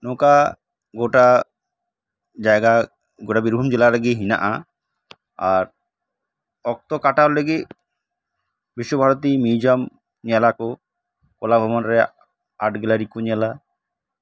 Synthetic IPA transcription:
noka | ɡoʈa | d͡ʒajɡa | ɡoʈabiɾbʱumd͡ʒelaɾeɡiɦina̰ʔa | aɾ | ɔk̚t̪ɔkaʈaleɡi | biʃːobʱaɾot̪imid͡ʒɔm | ɲialako | kolabʱɔmanɾɛ | aʈɡɛlaɾikuɲiala

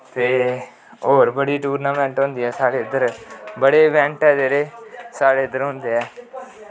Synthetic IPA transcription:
t̪eː | oːɾbəɽiːʈuːɾnaːmɛ̃ːɳʈɦʊ̃nd̪iːɦɛːsaːɽeːd̪əɾbəɽeːʋɛ̃ːɳʈɛːd̪eːɾeːsaːɽeːd̪əɾɦʊ̃nd̪eːɦɛː

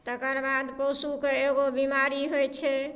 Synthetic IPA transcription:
t̪əkəɾbad̪posukeeɡobimaɾiɦojt͡ʃʰɛ

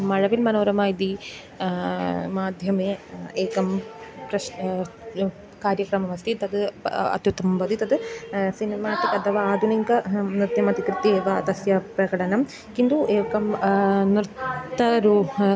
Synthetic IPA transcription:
mɐɻɐʋilmɐnoːɾɐmaːjd̪i | maːd̪ʱjɐmeːeːkɐmpɾɐ | kaːɾjɐkɾɐmɐmɐst̪ʰit̪ɐd̪ɨɐ̰t̪jut̪ʰːɐmumʋɐd̪ʱit̪ɐd̪ɨsinimaːʈikɐt̪ʰɐʋaaːd̪ʱuniŋkɐnɾɨd̪jɐmɐt̪ikɾɨt̪ːieːʋɐt̪ɐsjɐpɾɐkɐɽɐnɐm | kind̪uʔeːkɐmnɾɨt̪t̪ːɐɾu

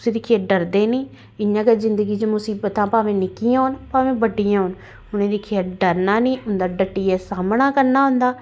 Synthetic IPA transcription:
ʊsẽːd̪ɪkʰijaːɖəɾd̪eːnĩː | ɪɲãːkezɪnd̪əɡiːt͡ʃəmʊsiːbət̪ãːpaːʋẽːnɪkijãːɦʊnpaːʋẽːbəɖijãːɦʊn | ʊnẽːd̪ɪkʰijaːɖəɾnaːnĩːʊnd̪aːɖəʈːiːɛːsaːmɳaːkəɾnaːɦʊ̃nd̪aː

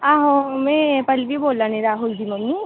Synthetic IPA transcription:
aːɦomɛ̃pɐlbiboːlːanẽɾaːɦuld͡ʒimɐnːi

